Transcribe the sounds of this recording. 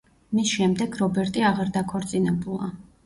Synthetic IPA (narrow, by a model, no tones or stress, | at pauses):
misʃɛmd̪ɛɡɾɔbɛɾt̪ʼiaʁaɾd̪akʰɔɾt̪sʼinɛbulˠa̰